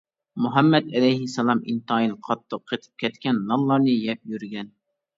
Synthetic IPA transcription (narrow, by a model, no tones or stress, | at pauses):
mʊɦɛmːɛd̪ɛlɛjɦɪsːɛlˠɑmḭnt̪ɑinqʰɑt̪ʰːəqʰːet̪ʰɨ̥p̚kʲʰɛt̪kʲɛnːɑnlˠɑɾnɨjɛp̚jyɾɡʲɛn